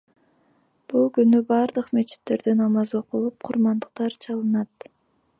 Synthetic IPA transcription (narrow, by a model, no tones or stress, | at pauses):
b̥ulˠkynybɑɾd̪ɯqme̞t͡ʃi̥t̪ːe̞ɾd̪enɑmɑzo̞qulˠup̚qʰʊɾmɑnd̪əq̚t̪ɑɾt͡ʃʰɑlˠɯnɑt̪